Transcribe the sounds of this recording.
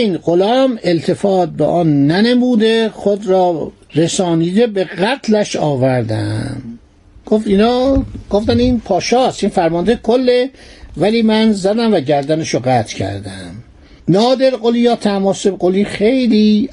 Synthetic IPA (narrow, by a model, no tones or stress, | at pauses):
iːnɢolɒːmelt̪ʰe̞fɒːt̪̚bḛʔɒːnːænemuːd̪eχod̪ɾɒː | ɾesɒːniːd̪ebeɣæt̪ʰlæʃɒːvæɾd̪æ̰m | ɡ̥oft̪inɑːɡ̥oft̪æniːnpʰɒːʃɒːst̪iːnfæɾmɒnd̪ekʰolːevæliːmænzæd̪æmvæɟæɾd̪æneʃoɢæt̪ʰcʰæ̰ɾd̪æm | nɒːd̪e̞ɾɢoliːjɒːt̪ʰæmɒːsebɢoliːxejliː